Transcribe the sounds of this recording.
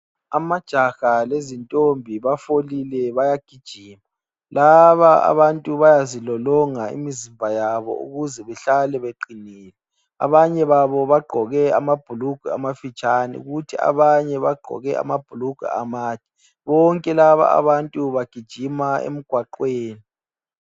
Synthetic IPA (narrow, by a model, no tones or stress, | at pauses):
amad̥ʒ̥ʱaɣalezintʼombʱiβafolilɛβajaɡ̥ʱid̥ʒ̥ʱiːma | laβaa̰βantʼuβajazilɔlɔŋaḭmiziɱvʱajaβɔ̰ṵɣuzɛβɛɬalɛβeǃiniːlɛ | a̰βaɲɛβaβɔβaɡ͡ǃʱɔɣɛamab̥ʱuluɡ̥ʱwɛa̰mafit͡ʃʼanḭuɣutʰia̰βaɲɛβaɡ͡ǃʱɔ̰ɣɛʔa̰mab̥ʱuluɡ̥ʱṵa̰maːd̥ʱi̥ | βɔŋkʼɛlaβa̰a̰βantʼuβaɡ̥ʱid̥ʒ̥ʱimaḛm̩ɡ̥ʱwaǃweːni